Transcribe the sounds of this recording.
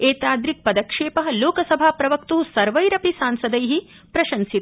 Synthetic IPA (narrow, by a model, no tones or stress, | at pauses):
eːt̪aːd̪ɾik̚pɐd̪ɐkʂeːpɐɦɐloːkɐsɐbʱaːpɾɐʋɐkt̪uɦusɐɾʋɐjɾɐpisaːnsɐd̪ɐjɦi | pɾɐʃɐnsit̪